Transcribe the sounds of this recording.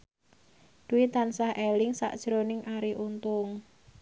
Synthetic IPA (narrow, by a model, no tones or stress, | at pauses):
d̪̥uwit̪ansahʔelɪŋsa̰ʔd̥ʒ̥ɾonɪŋʔaɾiʔunt̪ʊŋ